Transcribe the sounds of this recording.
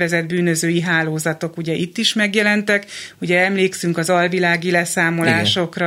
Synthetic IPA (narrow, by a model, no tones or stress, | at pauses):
vɛzɛd̪̚byːnø̞zøːjiɦaːloːzɒt̪o̞kuɟɛʔit̪ːiʃmɛɡjɛlɛnt̪ɛkuɟɛɛmleːksyŋkɒzɒlvilaːɡilɛsaːmo̞laːʃo̞krɒ